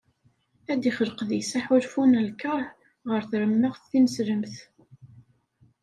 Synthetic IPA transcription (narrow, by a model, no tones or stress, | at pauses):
æd̪iχəlqðijsaħulfunælkːəɾˤ | ʁəɾθɾəmːəʁθːinəsɾəmθ